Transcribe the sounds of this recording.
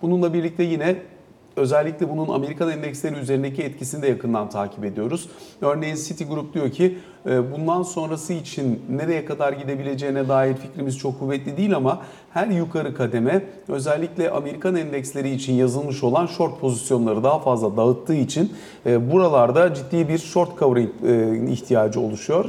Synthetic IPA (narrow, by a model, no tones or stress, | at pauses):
bununlˠabiɾlʲic̚t̪ʰɛjinɛ | ø̞zɛlʲːicʲlʲɛbununa̰me̞ɾikʰanɛnd̪ɛkslʲe̞ɾiyze̞ɾind̪ec̬iɛt̪cʰisind̪ɛjakʰɯnd̪ant̪ʰaːcʰi̥pe̞d̪ijo̞ɾuz̥ø̞ɾnejinsit̪ʰiɡuɾup̚d̪ijo̞cʰi | bund̪anso̞nɾasɯit͡ʃʰinːeɾejɛkʰad̪aɾɟid̪e̞bilʲe̞d͡ʒejinɛd̪aːjiɾficɾimiz̥t͡ʃʰo̞kʰːuvːɛt̪lʲid̪iːlʲama | hæɾjukʰaɾɯkʰad̪e̞mɛ | ø̞zɛlʲːiclʲɛʔa̰me̞ɾikʰanɛnd̪ɛcslʲe̞ɾiːt͡ʃʰinjazɯlˠmɯʃo̞lˠanʃo̞ɾt̪̚pʰo̞zisjo̞nlˠaɾɯd̪aɦafazlˠad̪aɯt̪ʰːɯːit͡ʃʰin | ɛːbuɾalˠaɾd̪ad͡ʒit̪ːiːbiɾʃo̞ɾt̪kʰavɾiŋtːḭçt̪ʰijaːd͡ʒɯo̞̰lˠuʃujo̞ɾ